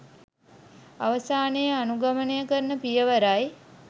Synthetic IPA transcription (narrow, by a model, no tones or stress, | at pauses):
aʋəsaːnejəanuɡamənejəkəɾnəpijəʋəɾaj